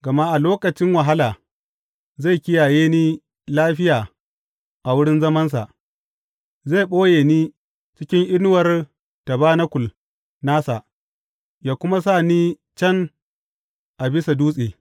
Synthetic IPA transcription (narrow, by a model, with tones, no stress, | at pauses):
ɡ̥ɐ˨ma˦ʔa˨loː˦kɐ˨t͡ʃɪ˦ŋwa˨ɦa˦laː˨ | za˦˨jkʲɪ˦jaː˨jeː˦niː˦ | laː˦ɸɪ˦jaː˨ | ʔa˨wʊ˦ɽɪ˦nzɐ˦mɐ˦ns̬a̰˨ʔ | zeː˦˨ɓoː˦jeː˨niː˦ | t͡ʃɪ˦kʲɪ˦ŋʔɪ˦n˦wɐ˨r | ta˨baː˦na˦kʷʊ˨l | naː˦sa˨ʔ | jaː˨kʷʊ˦ma˦saː˦˨niː˦ | t͡ʃɐ˦n | ʔa˨bɪ˦sa˨duː˦sʼieː˨